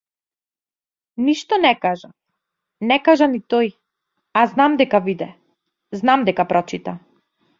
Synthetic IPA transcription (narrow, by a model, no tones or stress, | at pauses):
niʃt̪ɔnɛkaʒa | nɛkaʒanit̪ɔj | aznamd̪ɛkavid̪ɛ | znamd̪ɛkapɾɔt͡ʃit̪a